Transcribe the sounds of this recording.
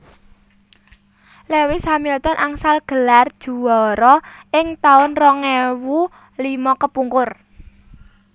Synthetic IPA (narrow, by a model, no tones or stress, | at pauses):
lewisamilt̪ɔnʔaŋsalɡ̥əlard̥ʒ̥ṳwɔɾɔʔɪŋt̪aʊnrɔŋɛwu | limɔkəpuŋkʊr